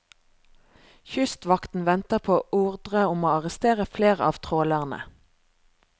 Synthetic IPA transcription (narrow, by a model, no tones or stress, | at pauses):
çʏst̪ʋɑkt̪n̩ʋɛnt̪əʁpʰoːʔuːʁd̪ʁəʊmoːɑʁəst̪eːʁəfleːʁəɑːʋt̪ʰʁoːlæʁnə̰